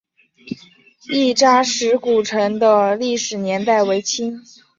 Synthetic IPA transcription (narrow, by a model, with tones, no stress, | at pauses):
i˥˩ʈ͡ʂa˥ʂɻ̩˧˥ku˨˩ʈ͡ʂʰɤ˧˥ŋd̪ə˧li˥˩ʂɻ̩˨˩njɛ˧˥nt̪a˥˩ɪwe˧˥ɪt͡ɕʰi˥ŋ